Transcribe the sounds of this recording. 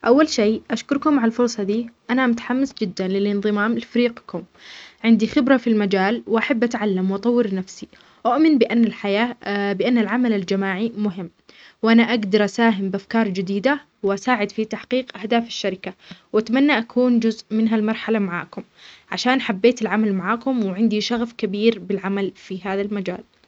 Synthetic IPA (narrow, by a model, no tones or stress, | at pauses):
ʔawːalʃeːʔaʃkʊɾkʊmaʕalfʊɾˤsˤɑd̪iːʔanamʊt̪ḁħamːɪsd͡ʒɪd̪ːanlɪlʔɪnðˤɨmaːmɪlfaɾiːqkʊm | ʕɪnd̪ixɪbɾˤafilmad͡ʒaːlwʔaħabːʔat̪ʕalːamwʔɑt̪ˤɑwːɪɾnafsi | ʔʊʔmɪnbɪʔanːalħajaːbɪʔanːalʕamalald͡ʒamaːʕimʊɦɪmː | wʔanaʔaɡd̪ɑɾˤʔasaːɦɪmbɪʔafkɑːɾˤd͡ʒɪd̪iːd̪a | wʔasaːʕɪd̪fit̪aħqiːqʔahd̪aːfḁʃːaɾɪkawʔat̪manːaʔakʰuːnd͡ʒʊzʔmɪnɦalmɑɾˤħalamaʕa̰ːkʊmʕaʃaːnħabːeːt̪ɪlʕamalmaʕaːkʊmwɪʕɪnd̪iʃaɣfkabiːɾbɪlʕamalfiɦaːðalmad͡ʒa̰ːl